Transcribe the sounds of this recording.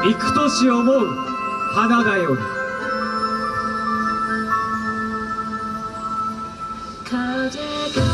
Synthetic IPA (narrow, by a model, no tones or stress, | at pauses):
ikʰɯ̥t̪oɕiomoɯ | hanad̪ajoɾi | kʰad͡ʑeɡ